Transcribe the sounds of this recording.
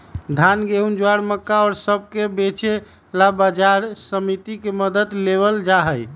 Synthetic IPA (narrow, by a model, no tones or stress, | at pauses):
d̪ʱanɡeɦund͡ʒoaɽməkːaɔɾsəb̚ʱkebet͡ʃe | labad͡ʒaɾsəmit̪ikeməd̪əd̪leβəld͡ʒaɦəj